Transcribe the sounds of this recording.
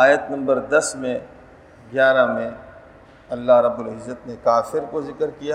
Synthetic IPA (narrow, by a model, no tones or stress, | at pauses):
aːjət̪nɐ̃mbəɾd̪ɐsmẽ | ɡjaːɾamẽ | ɐlːaɦɾɐbːʊlɪzːət̪nekaːfɪɾkozɪkɾkija